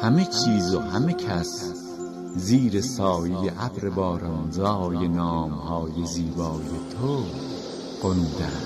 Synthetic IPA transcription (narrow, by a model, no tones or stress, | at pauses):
hæmet͡ʃʰiːzohæmecʰæs | ziːɾesɒːjejeʔæbɾebɒːɾɑnzɒːjenɒːmhɒːje̞ziːbɒːjet̪ʰo | ɢond̪æ̥